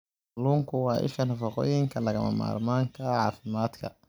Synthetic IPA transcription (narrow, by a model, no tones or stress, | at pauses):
luːŋkʰʊwɑːʔɪ̰ʃɐnɐfɑqɔ̰ːjɪŋkʰɐlɐɣɐmɐ̰ma̰ːrmaːŋkʰɐʕɑːfɪmaːd̪kʰɐ̰